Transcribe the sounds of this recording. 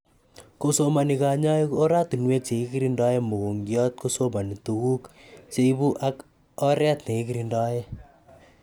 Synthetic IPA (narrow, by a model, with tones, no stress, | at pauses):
ko˦so˦ma˨ni˨ka˨ɲa˦iko˦ɾa˦t̪u˨nwe˦t͡ʃe˨i˦ki˦ɾindɔ˦je˦mo˨ko˨ŋɡjɔ˦t̚ko˦so˦ma˨ni˨tu˨ku˦kt͡ʃe˦i˦bu˦ʔa˦k | ɔ˦ɾɛ˦t̪ne˨i˦ki˦ɾindɔ˦je˦